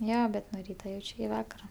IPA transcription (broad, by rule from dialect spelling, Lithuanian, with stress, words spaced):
ˈjoː bʲɛt nʊ ˈrʲiːtɐ ˈjɛʊt͡ʃʲ ɪkʲɪ ˈʋɑːkɐrɐ